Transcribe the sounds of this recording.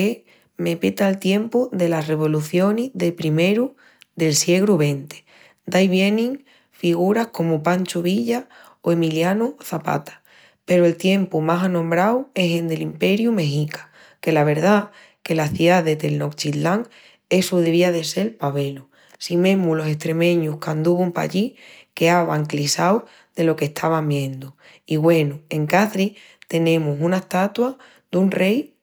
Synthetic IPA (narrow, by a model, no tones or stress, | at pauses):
e | me̞pet̪aːlt̪je̞mpuðe̞lasre̞β̞o̞luθjo̞nizðe̞pɾime̞ɾu | ðe̞lsje̞ɣ̞ɾuβe̞nt̪e̥ | d̪ajβjenĩŋ | fiɣ̞uɾahko̞mupanʲt͡ʃuβiʎa | oe̞miljanuθapa̰t̪ḁ | pe̞ɾoe̞lt̪je̞mpumasanõmbɾawe̞send̪e̞limpe̞ɾjume̞ɦikḁ | ke̞laβ̞e̞ɾða | ke̞laθiaðe̞t̪e̞lno̞kt͡ʃit̪laŋ | e̞suðeβiaðe̞se̞lpaβe̞lu | simẽ̞mulo̞se̞ht̪ɾe̞mẽ̞ɲuhkand̪uβumpa̰ʎike̞aβaŋklisaw | ð̥e̞lo̞ke̞ht̪ʰaβambjẽ̞nd̪u | iɣwe̞nue̞ŋkaθɾi | t̪e̞nẽ̞musunaeht̪at̪wa | d̪unre̞j